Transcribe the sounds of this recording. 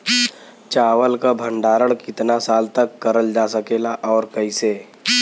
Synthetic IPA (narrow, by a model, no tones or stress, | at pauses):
t͡ʃaːwəlkabʱə̃ɳɖaːɾəɽkɪt̪nasaːlt̪əkːəɾəld͡ʒasəkeːlaʔɔːɾkəiseː